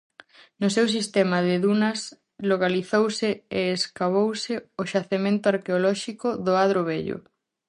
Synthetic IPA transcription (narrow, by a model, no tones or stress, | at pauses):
nʊsews̬ist̪ɛmɐðɪðunɐs | loɣaliθowsɪeːskaβ̞owsɪoʃaθemẽnt̪ʊaɾkeolɔʃikʊðoaðɾoβeʎo̰